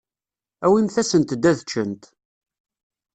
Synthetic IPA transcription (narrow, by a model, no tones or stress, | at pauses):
æwimθæsənt̪d̪ːæðt͡ʃːənt̪